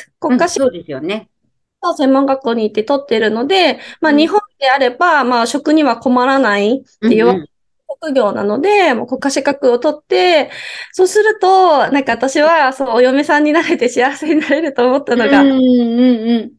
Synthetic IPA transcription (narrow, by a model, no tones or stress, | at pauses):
ko̞kːaɕi̥d̪esɨjon | so̞ːsẽ̞mːõ̞ŋɡakːo̞ːɲ̟iːt̪ːe̞t̪o̞t̪ːe̞ɾɯ̟no̞d̪e̞maːɲ̟iɦõ̞nd̪e̞aɾe̞bamaɕo̞kɯ̟ɲ̟iβako̞maɾanait̪ːe̞jɯ̟ːβake | ɕokɯ̟ɡʲo̞ːna̰no̞d̪e̞mo̞ːko̞kːaɕikakɯ̟o̞t̪o̞t̪ːe̞so̞ːsɨɾɯ̟t̪o̞nãŋkaβat̪aɕiβasoojo̞me̞sãɲ̟ːinaɾe̞t̪e̞ɕiaβaseɲ̟inaɾe̞ɾɯ̟t̪o̞ːmo̞t̪ːano̞ɡaɯ̃ɴɯ̃ɴ